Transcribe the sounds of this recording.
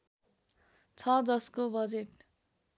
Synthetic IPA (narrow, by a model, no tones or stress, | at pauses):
t͡sʰʌd͡zʌskobʌd͡zeʈ